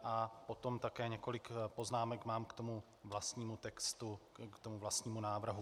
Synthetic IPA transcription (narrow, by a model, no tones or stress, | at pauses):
ʔapo̞t̪o̞mt̪akɛːɲɛko̞lɪkpo̞znaːmɛkmaːmkt̪o̞mu | vlast̪ɲiːmut̪ɛkst̪u | kt̪omuvlast̪ɲiːmunaːvr̩ɦu